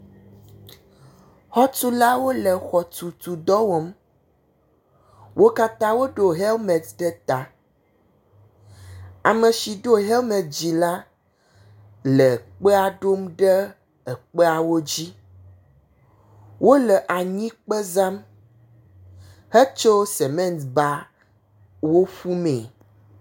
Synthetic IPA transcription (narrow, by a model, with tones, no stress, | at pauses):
hɔ˦tu˦la˦wo˦lə˨xɔ˨t̪u˨t̪u˨d̪ɔ˦wo˨m | wʔo˦ka˦t̪ã˦wo˦ɖo˨ɦe˦lmɛ˨t̪ɖɛ˦t̪a˨ | a˨mə̃˨ʃi˨ɖo˦ɦe˦lmɛ̃˨d͡ʑi˨la˦ | lə˨k͡pe˦a˨ɖo˦mɖə˦ | ə˨k͡pe˦a˨wo˦d͡ʑi˦ | wʔo˦lə˨ʔa˨ɲĩ˦k͡pə˦za˦m | hə˦t͡ʃo˦sɛ˨mɛ̃˦˨nsba˦ | wo˦ɸu˦mẽ˨